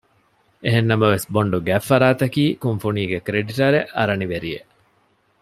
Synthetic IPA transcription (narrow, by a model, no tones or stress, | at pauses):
eɦenːɐmɐʋesboɳɖuɡæfːɐɾaːt̪ɐkiːkuŋfuniːɡekɾeɖiʈɐɾeʔɐɾɐniʋeɾijḛʔ